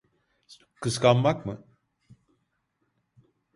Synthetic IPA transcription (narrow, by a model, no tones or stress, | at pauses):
kʰɯskanmakmɯ